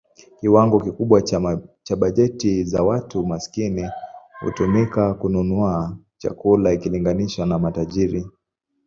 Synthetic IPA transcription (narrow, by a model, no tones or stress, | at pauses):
kiwaŋɡɔkikuɓwat͡ʃaɓaʄɛtiza̰watumasi̥kinihṵtumikakununuat͡ʃa̰kulaikiliŋɡaniʃwanamataʄiɾi